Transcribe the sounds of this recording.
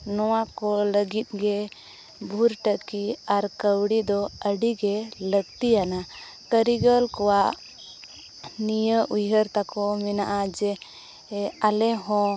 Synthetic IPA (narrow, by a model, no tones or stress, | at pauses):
nɔwakɔləɡit̪̚ɡɛ | bʱuɾʈəkiaɾkəwɽid̪ɔəɽiɡɛləɡt̪iana | kəɾiɡəlkɔwaʔ | nijəʔujəɾt̪akɔmɛnaʔad͡ʒɛ | alɛɦɔ̃